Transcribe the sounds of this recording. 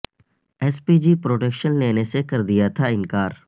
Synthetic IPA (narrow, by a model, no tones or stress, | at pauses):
ɛːspid͡ʒipɾoːʈeːkʃənleːnesekɐɾd̪ijat̪ʰaɪ̃nkaːɾ